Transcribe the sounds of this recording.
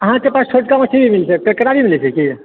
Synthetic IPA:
əɦãt̪epast͡ʃʰoʈkamət͡ʃʰibʱimilsʰekəkəɾabʱimilit͡ʃʰeki

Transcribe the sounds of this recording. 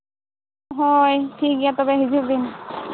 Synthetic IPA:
ɦɔjtʰikijat̪ɔbɛɦizuk̚d̪in

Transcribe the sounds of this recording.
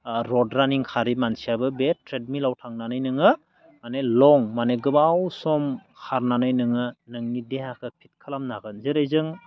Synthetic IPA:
ɾɔdɾaniŋkʰaɾimansijabɯbetʰɾed̚milawtʰaŋnanɯjnɯŋɯ | manelɔŋmaneɡɯbawsɔmkʰaɾnanɯjnɯŋɯnɯŋnidehakʰɯpʰit̚kʰalamnaɡɯnzɯɾajzɯŋ

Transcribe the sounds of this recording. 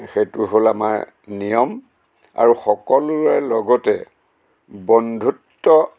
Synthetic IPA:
xetuɦolamaɹ | nijɔm | a̰ɹuxɔkɔlʊaɹlɔɡɔtɛ | bɔndʱutːɔ

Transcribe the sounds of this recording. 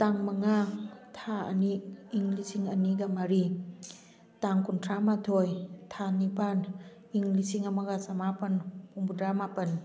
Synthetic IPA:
taŋmɐŋatʰaɐ̰niːŋlisiŋɐniɡɐmaɾi | taŋkuntʰɾamatʰojtʰanipan | iŋlisiŋɐmɐɡasɐmapɐnpuŋbudɾamapɐn

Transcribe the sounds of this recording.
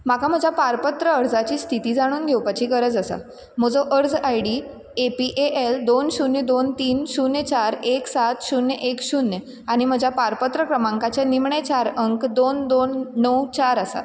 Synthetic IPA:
makam̤əd͡ʑʱjapaɾpət̪ɾəəɾd͡zat͡ɕiːst̪ʰit̪iːd͡zaɽ̃uːnɡʱewpat͡ɕʰiːɡəɾəd͡zəsa̰ | m̤əd͡zɔʔəɾd͡zajɽi | epiʔeʔeld̪onɕunjəd̪ont̪iːnɕunjt͡ɕaɾeksat̪ɕunːjəʔekɕunjə | aɽ̃im̤əd͡ʑʱjapaɾpət̪ɾəkɾəmãŋkat͡ɕjanimɳet͡ɕaɾəŋkd̪ond̪onːəwt͡ɕaɾasa̰

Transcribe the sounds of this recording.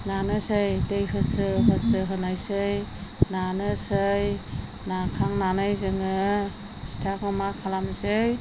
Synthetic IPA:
nanɯsɯjdejhɯsɾɯɦɯsɾɯɦɯnajsɯjnanɯsɯj | nakʰaŋnanajzɯŋɯ | stʰakɯmakʰalamzɯj

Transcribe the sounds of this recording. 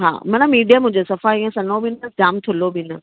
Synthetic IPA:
ɦa̰ːmɐnəmiːɖijamʊ̃ɦɪ̃ɲd͡ʑosɐfaːiiɛ̃sɐnobɪnəd͡ʑaːmt̪ʰʊlobɪnə

